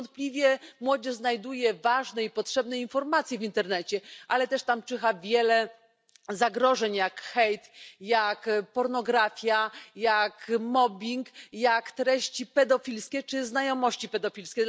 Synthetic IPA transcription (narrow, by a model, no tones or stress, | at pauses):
nt̪̚plʲivʲjɛmwɔd͡ʑɛʐznajd̪ujɛvaʐnɛipɔtʂɛbn̪ɛinfɔɾmat̪sʲjɛvʲint̪ɛɾnɛt͡ɕɛʔalɛt̪ɛʂt̪amt͡ʂɘxavʲjɛlɛ | zaɡɾɔʐɛɲjakxɛjt̪jakpɔɾnɔɡɾafʲjajakmɔbʲiŋkjakt̪ɾɛɕt͡ɕipɛd̪ɔfʲilskʲɛt͡ʂɘznajɔmɔɕt͡ɕipɛd̪ɔfʲilskʲɛ